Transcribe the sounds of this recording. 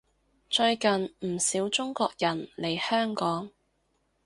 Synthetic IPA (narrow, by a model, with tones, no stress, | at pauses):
t͡ʃɵ˧ɥkɐ˨nm̩˨˩siː˨˥wt͡ʃʊ˥ŋkʷɔː˧k̚jɐ˨˩nle˨˩jhœː˥ŋkɔː˨˥ŋ